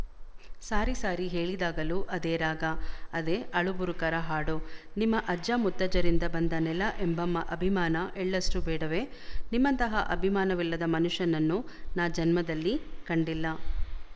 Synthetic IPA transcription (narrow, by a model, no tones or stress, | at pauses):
saːɾisaːɾiɦeːɭid̪aːɡɐluʔɐd̪eːɾaːɡɐːd̪eʔɐɭubuɾukɐɾɐɦaːɽonimːɐʔɐd͡ʒaːmut̪ːɐd͡ʒɐɾind̪ɐbɐnd̪ɐnɛlɐʔembɐmːɐʔɐbʱimaːnɐʔɛɭːɐsʈubɛːɽɐʋe̞ | nimːɐnt̪ɐɦɐʔɐbʱimaːnɐʋilːɐd̪ɐmɐnuʂjɐnɐnːu | naːd͡ʒɐnmɐd̪ɐlːikɐɳɖilːɐ